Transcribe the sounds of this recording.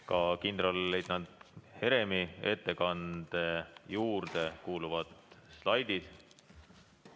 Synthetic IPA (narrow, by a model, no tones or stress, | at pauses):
kɑkind̪rolːejd̪nɑd̪̥he̞ɾe̞mie̞̰t̪ːe̞kɑnd̪̥e̞juːrd̪̥e̞kuːluvɑd̪̥slɑjd̪̥id̪̥